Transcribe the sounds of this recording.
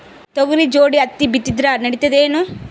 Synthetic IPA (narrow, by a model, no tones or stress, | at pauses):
t̪oɡuɾid͡ʒoːɽiɐt̪ːibit̪ːid̪ɾanɐɽit̪ːɐd̪eːnu